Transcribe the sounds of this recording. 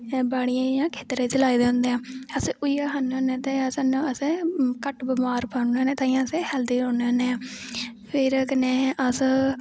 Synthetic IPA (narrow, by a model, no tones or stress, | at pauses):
baːɽ̃ɪjãːjãːkʰeːt̪ɾeːt͡ʃəlaːid̪eːʊ̃nd̪eːãːəsʔʊijaɦaneõnẽːt̪esanũəsẽkəʈbəmaːɾpənẽːnẽːt̪ãːiãəsehɛːld̪iːɾoːneneː | pʰɪɾkəneːʔəs